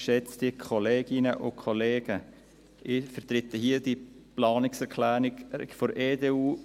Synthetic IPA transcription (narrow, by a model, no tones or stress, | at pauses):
ʃɛt͡sd̥iəkʰɔleːɡ̥ɪnəʔʊkʰoleːɡ̥ə | ʔɪfəɾt̪ɾɪtəɦiəd̥iplɑːnɪksɛɾkʰlæːɾɪɡ̥foɾʔeːdeːuː